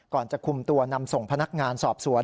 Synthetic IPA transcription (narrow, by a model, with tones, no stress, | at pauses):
kɔː˨˩nt͡ɕa˨˩kʰu˧mt̪u˧ɐna˧mso˨˩ŋpʰa˧na˦˥k̚ŋaː˧nsɔː˨˩p̚su˩˦ɐ